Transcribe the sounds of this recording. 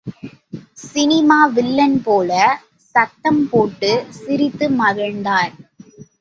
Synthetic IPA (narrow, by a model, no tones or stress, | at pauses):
sɪnɪmaːʋɪlːɐnpoːlɐ | sɐt̪ːɐmpoːʈːɯsɪɾɪt̪ːɯmɐɣɐɻnd̪aːɾ